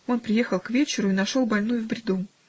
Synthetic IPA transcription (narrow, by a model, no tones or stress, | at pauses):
o̞npɾʲɪje̞xəlˠkvʲet͡ɕɪɾʊinɐʂo̞lˠbɐlʲnujʊvbɾʲɪd̪u